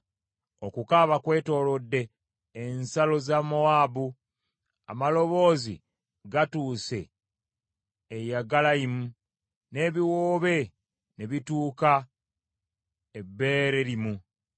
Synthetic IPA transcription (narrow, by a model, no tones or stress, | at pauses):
o̞kukaβakwe̞ːto̞ːlo̞dːe̞ː | nsalo̞zamo̞abu | a̰malo̞βo̞ːzḭ | ɡatuːse̞̰ | ejaɡalaimu | ne̞ːβiwoːβe̞ | neβituːka | ebːe̞ɾe̞ɾimu